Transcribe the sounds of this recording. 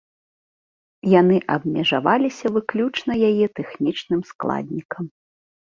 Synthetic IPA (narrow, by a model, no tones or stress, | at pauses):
jan̪ɨʔɐbmʲɛʐavalʲisʲɐvɨklʲut͡ʂn̪ɐjajɛt̪ɛxnʲit͡ʂnɨmsklˠa̰d̪ʲnʲikɐm